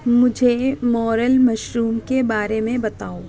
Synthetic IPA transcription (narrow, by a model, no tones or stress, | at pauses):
mʊd͡ʒʱemɔːɾəlmɐʃɾuːmkebaːɾemẽbɐt̪aːo